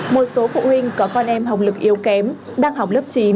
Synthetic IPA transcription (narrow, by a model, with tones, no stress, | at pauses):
mo˨˩t̚so˨˦fṵ˧˨ɦï˧ŋ̟kɔ˨˩˦kɔ˧nʔɛ˧mɦa˨˩wk͡p̚lɨ˨˩k̚ʔi˨˦əwkɛ˨˦m | ɗaː˧ŋɦa˨˩wk͡p̚lə˦˥p̚t͡ɕi˨˦